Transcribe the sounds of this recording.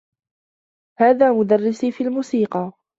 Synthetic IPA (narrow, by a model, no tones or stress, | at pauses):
haːðaːmʊd̪arːɪsiːfiːlmuːsiːqɑ